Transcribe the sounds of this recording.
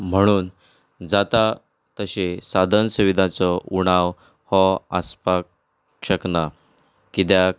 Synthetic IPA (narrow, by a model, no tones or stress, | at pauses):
m̤əɽ̃uːn | d͡zat̪a | t̪əɕesad̪ʱənsuʋid̪ʱat͡sɔuɽ̃aʋ | hɔə̰spak | ʂəkna | kit̪ja